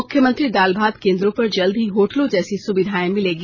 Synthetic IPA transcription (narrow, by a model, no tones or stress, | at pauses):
ʊkʰjəmə̃nt̪ɾid̪aːlbʱaːd̪kẽːnd̪ɾõpɐɾd͡ʒɐld̪ʱɦiɦoːʈlõd͡ʒɛːsisʊbɪd̪ʱaːẽmɪleːɡi